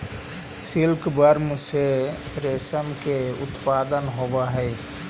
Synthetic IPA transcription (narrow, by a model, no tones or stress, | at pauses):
silkbəɾmse | ɾesəmkeṵt̪pad̪ənɦobaɦəɪ